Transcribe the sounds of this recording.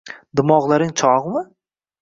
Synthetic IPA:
d̪ɪmɒʁlˠaɾɪŋt͡ʃʰɒʁmɪ

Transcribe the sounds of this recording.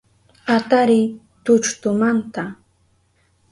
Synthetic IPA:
at̪aɾɪj | t̪ʊt͡ʃt̪ʊmant̪a

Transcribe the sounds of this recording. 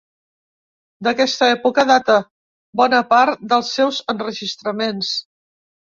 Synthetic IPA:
d̪əkɛst̪əɛpukəðat̪ə | bɔnəpaɾt̪d̪əlˠsːɛwzənrəʒist̪ɾəmens

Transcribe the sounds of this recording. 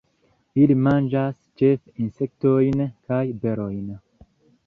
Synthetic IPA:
ilimand͡ʒast͡ʃefinse̞k̚tojnkajbeɾojn

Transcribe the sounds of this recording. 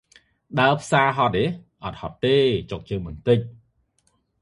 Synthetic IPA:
ɗaəpʰsaːɦɑt̪̚eʔɑt̪̚hɑt̪ːeːt͡ɕok̚t͡ɕəːmɨnt̪ɨc̚

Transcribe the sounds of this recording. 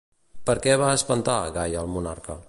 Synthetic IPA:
pəɾkɛβaəspənt̪aɣajəlˠmuna̰ɾkə

